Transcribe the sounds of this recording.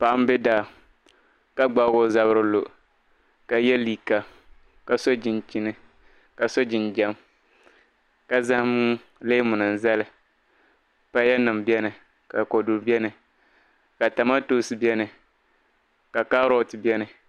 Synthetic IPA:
pa˨ʔa˦m˦bɪ˦da˦˨ | ka˦ɡ͡ba˦ɡo˦za˨βɨ˦ɾɨ˦lo˨ | ka˨jɛ˦liː˨ka˨ | ka˨so˦d͡ʒɪ˨nt͡ʃi˦nɨ˨ | ka˨so˦d͡ʒɪ˨nd͡ʒa˦m | ka˨za˦hmu˦ | leː˦mʊ˨nɨ˨n˨za˦lɨ˨ | pa˦jɛ˦nɨ˨mbjɛ˦nɨ˨ | ka˨ko˨du˨ɾbɛ˦nɨ˨ | ka˨ta˨ma˦to˦sɨ˦bɛ˦nɨ˨ | ka˨ka˦ɾo˦˨tbɛ˦nɨ˨

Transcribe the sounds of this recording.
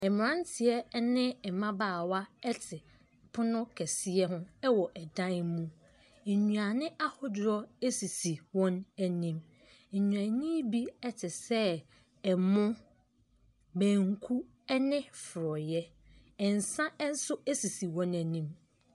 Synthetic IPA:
ɛ˨mɪ˨ɾã˦n˦tʰɪ˨ɛ˨˦nɪ̃˦ɛ˨mã˦baː˦˨wa˦ɛ˦tʰɪ˨ | pʰʊ˦nʊ̃˦kʰɛ˨sɪ˦ɛ˦hʊ̃˦ɛ˦wɔ˨ʔɛ˨dã˦nmũ˦˨ | ɲũ˨a˨nɪ̃˦ʔa˦hɔ˦dɾɔ˦e˦si˨si˨wɔ̃˦næ˨nĩ˦m̩˨ | ɲũ˨ã˨nĩ˦bi˦ɛ˦tʰɪ˨sɛ˦ | ɛ˨mʊ̃˦ | mæ̃ː˨ŋkʰu˦ | ɛ˦nɪ̃˦fʊ˨ɾɔ˨jɛ˦ | ɪ̃˨n˨sã˦ɛ˦n̩˦sʊ˦æ˦si˨si˨wɔ̃˦næ˨nĩ˦m

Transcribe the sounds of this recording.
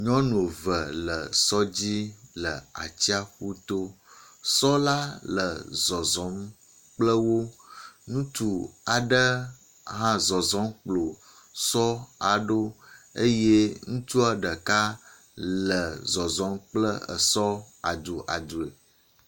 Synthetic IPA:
ɲɔ̃˦n˨o˨və˨lə˨sɔ˦d͡ʑi˦lə˨a̰˨t͡ɕi˦a˦xu˦t̪o˦ | sɔ˦la˦lə˨zɔ˨zɔ˨˦m | k͡plə˦wo˦nũ˦t̪u˨a˨ɖə˦ | ɦã˦zɔ˨zɔ˨˦mk͡plo˨ | sɔ˦a˨ɖo˦ə˦je˦ŋũ˦t̪u˦a˨ɖə˨ka˦ | llə˨zɔ˨zɔ˨˦mk͡plə˦ə̰˨sɔ˦ | a̰˨d̪u˨ʔa̰˨d̪u˨e˨

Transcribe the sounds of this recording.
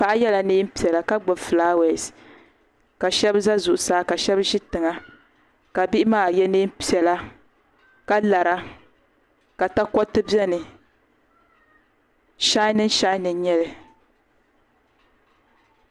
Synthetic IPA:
a˨ʔjɛ˦la˨neː˦m̩˦pi˨ɛ˨la˨ka˦ɡ͡bʊ˨fɨ˨laː˦wɛ˨s | ka˨ʃɛ˦bza˦zʊ˨ʔʊ˨saː˦ka˨ʃɛ˦bʒi˦tɨ˨ŋa˦ | ka˨bi˦ʔɪ˦maː˦˨jɛ˦nɨː˦m˦pi˨ɛ˨la˦ | ka˦la˨ɾa˦ | ka˨ta˦kɔ˦tɨ˦bjɛ˦nɨ˨ | ʃa˦nɨ˦n˦ʃa˦nɨ˨n˦ɲɛ˦lɨ˨

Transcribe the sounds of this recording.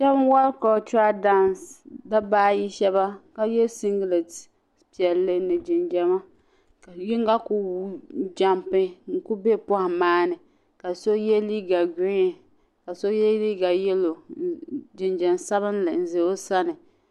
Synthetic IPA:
ʃɛ˦bn˦wa˦lka˨o˨t͡ʃa˦da˦nsda˦baː˦ji˦ʃɛ˦ba˦ka˦jɛ˦si˦ŋɡle˨t | pi˨ɛ˨lːɨ˦nɨ˨d͡ʒɪ˨nd͡ʒɛ˨ma˦ | ka˨jɪ˦ŋ˦ɡa˦ku˦wu˦d͡ʒa˦mpɪ˦ŋ̩˦ku˦be˦pʊ˦ha˨maː˦nɨ˨ | ka˨so˦jɛ˦liː˦ɡa˨ɡi˦˨ | ka˨so˦jɛ˦li˦ɡa˨jɛ˦lo˨ | d͡ʒɪ˨nd͡ʒɛ˨nsa˦βɨ˦nlɨ˨n̩˨ze˨o˦sa˦nɨ˨

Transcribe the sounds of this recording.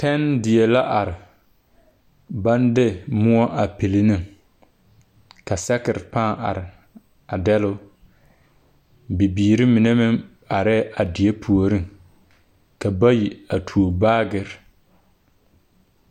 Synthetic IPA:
tɛ˦ndɪ˨e˨la˦ʔa˨ɾɪ˨ | ba˦ndɪ˦mʊ˦ɔ˦ʔa˨pɪ˨lɪ˦nɨ˦ŋ | ka˨sɛ˦kɪ˨ɾɪ˨pã˦˨ʔa̰˨ɾɪ˨ | a˨dɛ˦lʊ˦ | bi˨biː˨ɾɪ˦mɪ˨nɛ˦mɪ˦ŋ | a˨ɾɛ˦ʔa˨dɪ˨e˦pʰu˨o˨ɾi˦ŋ | ka˨ba˦ji˨a˨tʰu˨o˨baː˦ɡɪ˨ɾ

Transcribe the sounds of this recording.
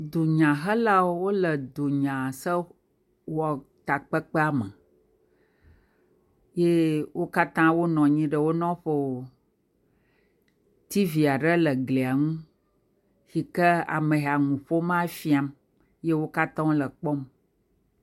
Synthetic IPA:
d̪o˨ɲã˨ɦə˦la˦wo˦wo˦lə˨d̪o˨ɲã˨sə˦ | wɔ˨t̪a˨k͡pə˦k͡pɛ˦a˨mə̃˨ | je˦wʔo˦ka˦t̪ã˦wo˦nɔ̃˨ɲĩ˦ɖə˨wo˦nɔ̃˦ɸo˦o˨ | t̪i˦vi˨a˨ɖə˦lə˨ɡle˨a˨ŋũ˦ | xi˨kə˦a̰˨mə̃˨ɦa˨ŋũ˨ɸo˦mã˦fi˦a˨m | je˦wo˦ka˦t̪ã˦wo˦lə˨k͡pɔ˦m

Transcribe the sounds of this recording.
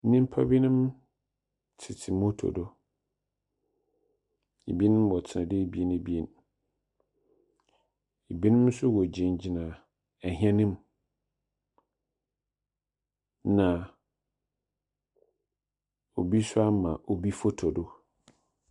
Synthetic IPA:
nĩ˦m̩˦pʰa̰˦bi˦nʊ̃˦m | tʰɪ˨tʰi˨mo˦tʰo̰˨do˦ | e˨bi˦nɪ̃˦m˦wɔ˨tʰɪ˨nã˨dɪ˦˨bi˦e˦ne˨bi˦e˦n | e˨bi˦nɪ̃˦m˦sʊ˦wɔ˨d͡ʑĩ˨n˨d͡ʑi˨nã˨ | ɛ˨ɦĩ˦ã˦nɪ̃˦m | nã˨ | o˨bi˦sʊ˦a˦mã˨ʔo˨bi˦fo˦tʰo˨do˦

